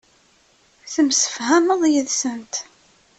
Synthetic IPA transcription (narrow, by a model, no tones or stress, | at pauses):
θəmsə̥fhæməðˤjəðsənt̪